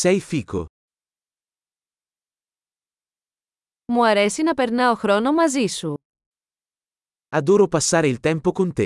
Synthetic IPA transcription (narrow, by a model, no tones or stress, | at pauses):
sɛjfiːkʰo̰ | muɐɾesinɐpe̞ɾnɐoxɾo̞no̞mɐzisu | ad̪oːɾopasːaːɾeilt̪ɛmpokont̪e